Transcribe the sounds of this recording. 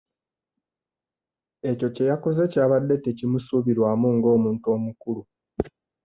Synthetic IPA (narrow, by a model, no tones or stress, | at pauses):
e̞co̞ce̞jakoze̞caːβadːe̞te̞cimusuβiɾwaːmuŋɡo̞ːmuːnto̞ːmukulu